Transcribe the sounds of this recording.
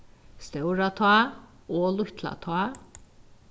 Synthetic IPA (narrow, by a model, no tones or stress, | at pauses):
st̪ɛwɾat̪ʰa | ɔːlʊht̪la̰t̪ʰa